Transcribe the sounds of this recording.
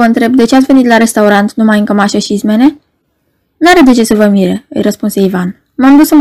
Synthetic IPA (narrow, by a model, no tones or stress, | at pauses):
əɨnt̪ɾe̞b̚d̪e̞t͡ʃeat̪ʲve̞nit̪laɾe̞st̪auɾant̪numajɨŋkəmaʃəʃismene̞ | naɾed̪e̞t͡ʃe̞səvəmiɾeɨ̰jɾəspunse̞ivan | mamd̪usəm